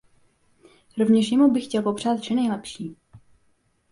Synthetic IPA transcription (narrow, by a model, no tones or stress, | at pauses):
ɾovɲɛʃjɛmubɪxcɛlpo̞pr̝̥aːt̪̚t͡ʃɪnɛjlɛpʃiː